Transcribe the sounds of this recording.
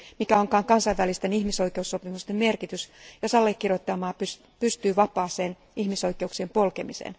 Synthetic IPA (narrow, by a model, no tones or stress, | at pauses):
mikæoŋkɑːŋkɑnsɑiʋʋælist̪enihmisoikeusːopimust̪emmerkit̪ysjosɑlːekːirjot̪ːɑmɑːpys | pyst̪yːʋɑpˑɑːseːn | ihmisoikeuksiempolkemisḛːn